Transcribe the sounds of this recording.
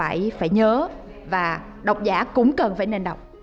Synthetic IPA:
a̰ː˧˩jfaː˧˩jɲəː˨˦ | vaː˨˩ | ɗə˨˩wk͡p̚zaː˧˦kʊ̰˧˥ŋ͡mkə˨˩nfaː˧˩jne˧nɗə˨˩wk͡p̚

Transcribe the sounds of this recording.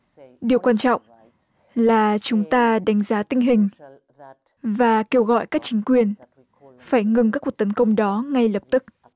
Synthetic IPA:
ɗi˨˩əwkwaː˧nt͡ɕɔ̰˧˨wŋ͡m | laː˨˩t͡ɕʊ˨˦ŋ͡mt̪aː˧ɗa˨˦jŋ̟zaː˨˦t̪ï˧ŋ̟ɦï˨˩ŋ̟ | vaː˨˩ke˧wɣɔ̰˧˨jkaː˦˥k̚t͡ɕï˨˦ŋ̟kwi˨˩ən | faː˧˩jŋɨ˨˩ŋk̬aː˦˥kwət̪ə˨˦nkə˧wŋ͡mɗɔ˨˦ŋa˧jlə˨˩p̚t̪ɨ˦˥k̚

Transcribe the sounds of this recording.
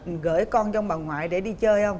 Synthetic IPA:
ɣə̰ː˧˩jkɔ˧nt͡ɕɔ˧wŋ͡mɓa˨˩nŋwa̰ː˧˨jɗe˧˩ɗi˧t͡ɕəː˧jhə˧wŋ͡m

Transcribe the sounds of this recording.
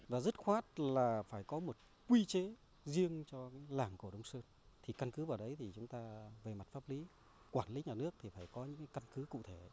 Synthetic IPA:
vaː˨˩zə˦˥t̚xwaː˦˥t̚laː˨˩faː˧˩jkɔ˨˦mo˨˩t̚ | kwi˧t͡ɕe˨˦ | zi˧əŋt͡ɕɔ˧kaː˨˦jlaː˨˩ŋku˧˩əɗə˨˧wŋ͡msəː˧n | t̪ʰi˨˩ka˧nkɨ˨˦vaː˨˩wɗə˨˦jt̪ʰi˨˩t͡ɕʊ˨˦ŋ͡mt̪aː˧ve˨˩ma˨˩t̚faː˦˥p̚li˨˦ | kwaː˧˩nli˨˦ɲaː˨˩nɨ˦˥ək̚t̪ʰi˨˩faː˧˩jkɔ˨˦ɲɨ̰˧˥ŋkaː˨˦ka˧nkɨ˨˦kṵ˧˨t̪ʰe˧˩

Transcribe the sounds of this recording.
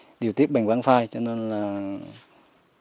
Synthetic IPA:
ɗi˨˩əwt̪i˦˥p̚ɓa˨˩ŋ̟va̰ː˧˥nfaː˧jt͡ɕɔ˧ne˧nlaː˨˩

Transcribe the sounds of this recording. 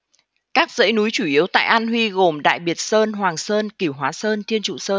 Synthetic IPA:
kaː˦˥k̚zə̰ː˧˥jnu˨˦jt͡ɕu˧˩ʔi˨˦əwt̪a̰ː˧˨jʔa˧nɦwi˧ɣo˨˩mɗa̰ː˧˨jɓi˨˩ət̚səː˧nɦwaː˨˩ŋsəː˧nki˧˩əwɦwaː˨˦səː˧nt̪ʰi˧ənt͡ɕṵ˧˨səː˧n

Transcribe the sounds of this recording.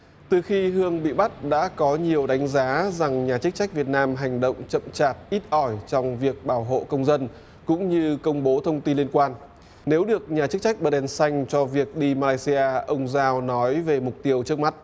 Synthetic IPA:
t̪ɨ˨˩xi˧ɦɨ˧əŋɓḭ˧˨ɓa˦˥t̚ɗa̰ː˧˥kɔ˨˦ɲi˨˩əwɗa˨˦jŋ̟zaː˨˦za˨˩ŋɲaː˨˩t͡ɕɨ˦˥k̚t͡ɕa˦˥jk̟̚vi˨˩ət̚naː˧mɦa˨˩jŋ̟ɗə̰˧˨wŋ͡mt͡ɕə̰˧˨mt͡ɕaː˨˩t̚ʔi˦˥t̚ʔɔ˧˩jt͡ɕɔ˧wŋ͡mvi˨˩ək̚ɓaː˧˩wɦo̰˧˨kə˧wŋ͡mzə˧n | kʊ̰˧˥ŋ͡mɲɨ˧kə˧wŋ͡mɓo˨˦t̪ʰə˧wŋ͡mt̪i˧nli˧ənkwaː˧n | ne˨˦wɗɨ˨˩ək̚ɲaː˨˩t͡ɕɨ˦˥k̚t͡ɕa˦˥jk̚ɓəː˧˩ɗɛ˧nsa˧jŋ̟t͡ɕɔ˧vi˨˩ək̚ɗi˧maː˧laː˧jsi˧ʔaː˧ʔə˧wŋ͡mzaː˧wnɔ˨˦jve˨˩mʊ˨˩k͡p̚t̪i˧əwt͡ɕɨ˦˥ək̚ma˦˥t̚

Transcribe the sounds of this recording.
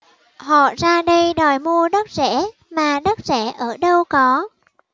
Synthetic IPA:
hɔ̰˧˨zaː˧ɗə˧jɗɔ˨˩jmu˧əɗə˦˥k̚zɛ̰˧˥ | maː˨˩ɗə˦˥t̚zɛ˧˩ʔəː˧˩ɗə˧wkɔ˨˦

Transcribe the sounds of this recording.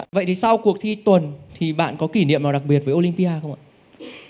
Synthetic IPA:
və̰˧˨jt̪ʰi˨˩sa˧wku˨˩ək̚t̪ʰi˧t̪wə˨˩nt̪ʰi˨˩ɓa̰ː˧˨nkɔ˨˦ki˧˩nḭ˧˨əmnaː˨˩wɗa˨˩k̚ɓi˨˩ət̚vəː˨˦ʔo˧li˧mpi˧aː˧xə˧wŋ͡mʔa̰ː˧˨

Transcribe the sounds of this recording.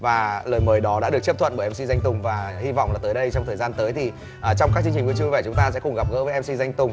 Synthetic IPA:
vaː˨˩ləː˨˩jməː˨˦jɗɔ˨˦ɗa̰ː˧˥ɗɨ˨˩ət͡ɕə˦˥p̚t̪ʰwə̰˧˨nɓəː˧˩˨ʔɛ˧msi˧za˧jŋ̟t̪ʊ˨˩ŋ͡mvaː˨˩hi˧va̰˧˨wŋ͡mlaː˨˩t̪əː˨˦jɗə˧jt͡ɕɔ˧wŋ͡mt̪ʰəː˨˩jzaː˧nt̪əː˨˦jt̪ʰi˨˩ | ʔəː˨˩t͡ɕɔ˧ŋ͡mka˦˥t͡ɕɨ˧ŋt͡ɕi̟˨˩vɨ˧˥t͡ɕu˧vaː˨˩t͡ɕʊ˨˦ŋ͡mt̪aː˧sɛ̰˧˥kʊ˨˩ŋ͡mɣa˨˩p̚ɣə̰ː˧˥˦və˨˦ʔɛ˧msi˧za˧jŋ̟t̪ʊ˨˩ŋ͡m

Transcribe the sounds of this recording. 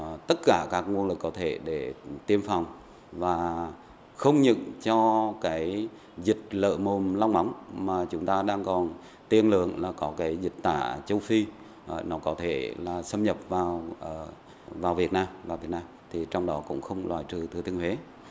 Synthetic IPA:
t̪ə˦˥t̚kaː˧˩kaː˦˥k̚ŋu˧ənlɨ˨˩kːɔ˨˦t̪ʰe˧˩ɗe˧˩t̪i˧əmfɔ˨˩wŋ͡m | vaː˨˩ | xə˧wŋ͡mɲɨ̰˧˨ŋt͡ɕɔ˧kaː˨˦j | zï˨˩k̟̚lə̰ː˧˨mo˨˩mla˧wŋ͡mma˨˦wŋ͡mmaː˨˩t͡ɕʊ˨˦ŋ͡mt̪aː˧ɗaː˧ŋkɔ˨˩n | t̪i˧˩ənlɨ̰˧˨əŋlaː˨˩kɔ˨˦kaː˨˦jzï˨˩k̟̚t̪a̰ː˧˩t͡ɕə˧wfi˧ | nɔ˨˦kɔ˨˦t̪ʰe˧˩laː˨˩sə˧mɲə˨˩p̚vaː˨˩wʔ | vaː˨˩wvi˨˩ət̚naː˧mvaː˨˩wvi˨˩ət̚naː˧mt̪ʰi˨˩t͡ɕɔ˧wŋ͡mɗɔ˨˦kʊ̰˧˥ŋ͡mxə˧wŋ͡mlwa̰ː˨˩jt͡ɕɨ˨˩t̪ʰɨ˨˩t̪i˧ənhwe˨˦

